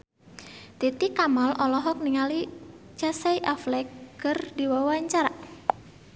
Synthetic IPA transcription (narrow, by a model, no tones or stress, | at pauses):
t̪it̪ikamalɔlɔɦɔk̚niŋali | t͡ʃasajʔaflɛkɡərdiwawaɲt͡ʃaɾaʔ